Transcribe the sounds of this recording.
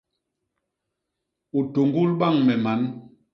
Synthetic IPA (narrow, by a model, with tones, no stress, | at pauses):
u˨to˨ŋɡu˦lɓa˦˨ŋmɛ˨ma˨˦n